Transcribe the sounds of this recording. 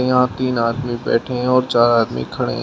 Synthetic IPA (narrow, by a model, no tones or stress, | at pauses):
jɐɦãt̪iːnaːd̪mibɛ̰ːʈʰẽɔːɾt͡ʃaːɾaːd̪mḭkʰɐɽḛ̃